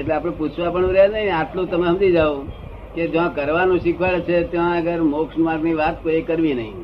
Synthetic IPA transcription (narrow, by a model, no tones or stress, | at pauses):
eʈleapɽ̃ẽput͡ʃʰʋãpəɳũɾɛnəɦĩaʈlũt̪əmamd͡ʒ̪id͡ʒaʋũ | ked͡ʒãkəɾʋanũʃikʰʋaɭt͡ʃʰet̪jãəɡəɾmokʃnmaɡniʋat̪koikəɾʋinəɦḭ̃